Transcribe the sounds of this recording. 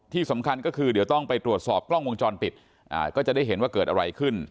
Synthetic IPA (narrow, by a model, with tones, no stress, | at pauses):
t̪ʰiː˥˩sa˩˦mkʰa˧nkɔː˥˩kʰɯː˧di˨˩˦wt̪ɔ˥˩ŋpa˧jt̪ɾu˨˩ət̪̚sɔː˨˩p̚klɔ˥˩ŋwo˧ŋt͡ɕɔː˧npi˨˩t̪̚ | ʔa̰ː˧˩kɔː˥˩t͡ɕa˨˩da˥˩jɦe˩˦nwaː˥˩kɤː˨˩t̪̚ʔa˧ɾa˧jkʰɯ˥˩n